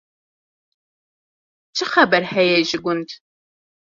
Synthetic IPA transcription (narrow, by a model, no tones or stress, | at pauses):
t͡ʃʰɪχɐbɐrħɐjɛʒɪɡʷʊntʰ